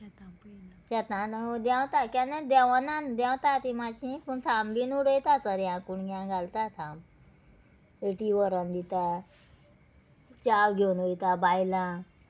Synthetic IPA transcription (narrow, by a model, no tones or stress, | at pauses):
ɕɛt̪ãnd̪ɛ̃wt̪akãnad̪ɛwnand̪ɛ̃w̃t̪at̪imat͡ɕĩpuɳt̪ʰambinuɽəjt̪at͡səɾjãkuɳɡʲãɡalt̪at̪ʰam | eʈiʋəɾənd̪it̪a | t͡ɕawɡʱonoit̪abajlã